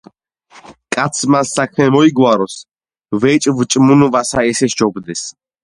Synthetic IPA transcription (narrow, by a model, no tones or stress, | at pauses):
kʼat̪sʰmasːakʰmɛmɔiɡwaɾɔs | vɛt͡ʃʼvt͡ʃʼmunuvasaɛsɛʃd͡ʒɔbd̪ɛs